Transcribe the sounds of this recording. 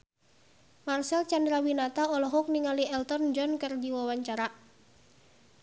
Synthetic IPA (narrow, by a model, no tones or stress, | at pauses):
marsɛlt͡ʃandɾawinat̪aɔlɔɦɔk̚niŋaliɛlt̪ɔnd͡ʒɔnkərdiwawaɲt͡ʃaɾa